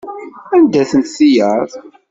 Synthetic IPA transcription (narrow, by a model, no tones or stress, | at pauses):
ænd̪æθənt̪θijəðˤ